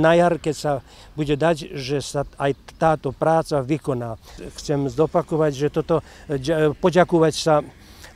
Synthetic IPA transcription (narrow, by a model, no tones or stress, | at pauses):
najaɾkɛcsa | buɟɛd̪acʒɛsaajt̪aːt̪ɔpɾaːt͡saʋikɔnaːxt͡sɛmzɔpakɔʋaɟʒɛt̪ɔt̪ɔ | pɔɟakɔʋacsa